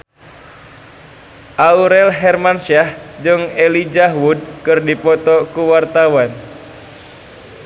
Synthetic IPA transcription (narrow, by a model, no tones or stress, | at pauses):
ʔauɾɛlɦɛrmansahd͡ʒɨŋelid͡ʒaɦwud̚kɨrdipɔt̪ɔkuwart̪awan